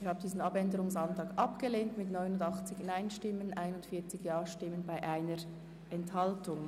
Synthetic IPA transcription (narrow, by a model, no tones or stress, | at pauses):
ɪhɑːbəndiːzn̩ɑpɛndəɾʊŋsɑntʁɑːkʔɑpɡ̥əleːntmɪtnɔʏnʊndɑχt͡sɪçnaɪnʃtɪmənʔaɪnʊndfiːɐt͡sɪɡjɑːʃtɪmːənbaɪʔaɪnəɾ | ʔɛnthɑltʊŋ